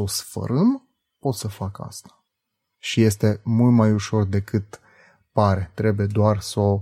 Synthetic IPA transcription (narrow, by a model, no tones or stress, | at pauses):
osfə̰ɾɨm | po̞t̪səfaka̰st̪ḁ | ʃije̞st̪e̞mult̪majuʃo̞rd̪e̞kɨt̪ | paɾe̞t̪ɾe̞buje̞d̪oarso